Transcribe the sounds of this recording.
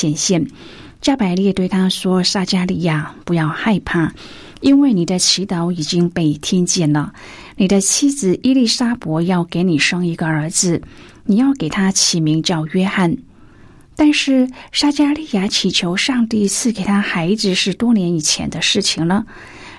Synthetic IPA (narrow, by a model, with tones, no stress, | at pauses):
jɛ˨˩nɕjɛ˥˩n | t͡ɕja˥pa˧˥ɪljɛ˥˧t̪we˥˩ɪt̪ʰa˥ʂwɔ˥sa˥t͡ɕja˥li˥˧ja˥˩pu˧˥jɑ˥˧ʊxa˥˧ɪpʰa˥˩ | i˥nwe˥˩ɪni˨˩d̪ə˦t͡ɕʰi˧˥t̪ɑ˧˥ʊi˨˩t͡ɕi˥ŋpe˥˩ɪt̪ʰjɛ˥nt͡ɕjɛ˥˩nlə˩ | ni˨˩d̪ə˦t͡ɕʰi˥d͡zɹ̩˨ʔi˥li˥˩sa˥pwɔ˧˥jɑ˥˩ʊke˧˥ɪni˨˩ʂɤ˥ŋi˧˥ɡə˧ə˞˧˥d͡zɹ̩˧ | ni˨˩jɑ˥˩ʊke˨˩ɪt̪ʰa˥t͡ɕʰi˨˩mi˧˥ŋt͡ɕjɑ˥˩ʊɥɛ˥xa˥˩n | t̪a˥˧nʂɻ̩˥˩sa˥t͡ɕja˥li˥˩ja˧˩t͡ɕʰi˨˩t͡ɕʰjo˧˥ʊʂɑ˥˧ŋt̪i˥˧t͡sʰɹ̩˥˩ke˨˩ɪt̪ʰa˥xa˧˥ɪd͡zɹ̩˧ʂɻ̩˥˩t̪wɔ˥njɛ˧˥ni˨˩t͡ɕʰjɛ̰˧˥nd̪ə˧ʂɻ̩˥˩t͡ɕʰi˨˩ŋlə˩